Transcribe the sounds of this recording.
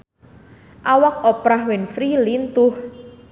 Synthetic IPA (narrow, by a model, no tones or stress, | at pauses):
ʔawak̚opɾahwenfɾilint̪ʊh